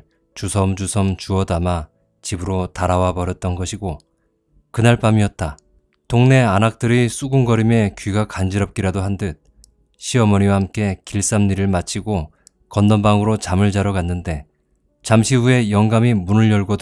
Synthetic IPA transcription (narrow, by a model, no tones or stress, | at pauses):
t͡ɕusʰʌmd͡ʑusʰʌmt͡ɕuʌdama | t͡ɕibɯɾotaɾawabʌɾjʌt̚t͈ʌnɡʌɕʰiɡo | kɯnaɭp͈amiʌt̚t͈a | toŋne̞anak̚t͈ɯɾis͈ʰuɡunɡʌɾime̞kɥiɡakand͡ʑiɾʌp̚k͈iɾadoɦandɯt̚ | ɕʰiʌmʌɲiwahamk͈e̞kiɭs͈amɲiɾɯɭmat͡ɕʰiɡo | kʌndʌnbaŋɯɾot͡ɕamɯɭd͡ʑaɾʌɡanːɯnde̞ | t͡ɕamɕʰiue̞jʌŋɡamimunɯɭjʌɭɡod